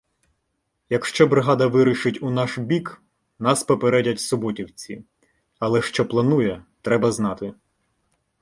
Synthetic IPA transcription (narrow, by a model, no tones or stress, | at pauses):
jɐkʃt͡ʃɔbɾɪɦɑd̪ɐʋɪɾiʃɪtʲunɑʃbʲik | nɑspɔpeɾɛdʲɐtʲsɔbɔtʲiwt͡sʲi | ɐlˠɛʃt͡ʃɔplˠɐnujɛt̪ɾɛbɐznɑt̪ɪ